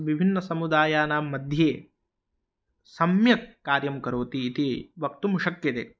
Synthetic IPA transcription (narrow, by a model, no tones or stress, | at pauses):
ʋibʱinːɐsɐmud̪aːjaːnaːmːɐd̪ʱjeː | sɐmjɐkːaːɾjɐmkɐɾoːt̪iːt̪iʋɐk̚t̪umuʂɐkjɐt̪ḛː